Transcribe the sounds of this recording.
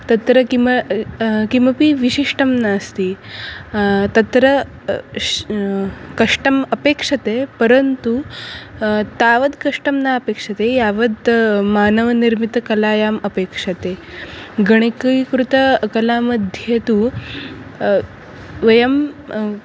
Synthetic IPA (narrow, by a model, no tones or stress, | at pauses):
t̪ɐt̪ɾɐki | kimʋɐpiːʋiɕiʂʈɐmnaːst̪iː | t̪ɐt̪ɾɐ | kɐʂʈɐmɐpeːkʂɐt̪epɐɾənt̪u | t̪aːʋɐd̪kɐʂʈɐmnaɐpeːkʂɐt̪ejaʋɐd̪maːnɐʋɐniɾmit̪ɐkɐlaːjaːmɐpeːkʂɐt̪eɡɐɽ̃ekɐikɾut̪ɐkɐlaːmɐd̪ʱjet̪u | ʋɐjɐm